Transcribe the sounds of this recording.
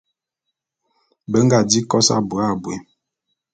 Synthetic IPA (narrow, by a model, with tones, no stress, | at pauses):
bə˦ŋ˦ɡa˨di˦kɔ˦sa̰˦˨bu˨a˦˨bwḛ˨